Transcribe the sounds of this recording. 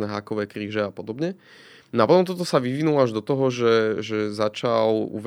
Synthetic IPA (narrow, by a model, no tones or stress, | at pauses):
nɛɦakɔʋɛːkɾiːʒɛapɔd̪ɔbɲɛ | napɔt̪ɔmt̪ɔt̪ɔsaʋiʋinulaʒd̪ɔt̪ɔɦɔʒɛʒɛzat͡ʃalṵʋ